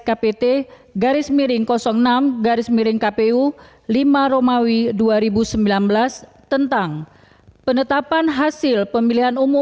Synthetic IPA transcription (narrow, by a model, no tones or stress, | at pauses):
kapet̪e | ɡaɾɪsmiɾɪŋkɔsɔŋnamɡaɾɪsmiɾɪŋkapeu | limaɾomawiduaɾibusəmbilanbəlast̪ənt̪aŋ | pənət̪apanɦasɪlpəmiliɦanumu